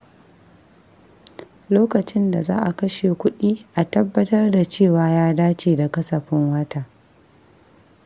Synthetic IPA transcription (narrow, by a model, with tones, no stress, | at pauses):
loː˦kɐ˨t͡ʃɪ˦nda˨za̰ː˦ʔa˨kɐ˦ʃe˨kʷʊ˦ɗiː˦ʔa˨tɐ˦bːɐ˦tɐ˦rda˨t͡ʃeː˦˨waː˨jaː˦daː˦t͡ʃeː˨da˨kɐ˦sɐ˨ɸɪ˦ŋwɐ˦taː˦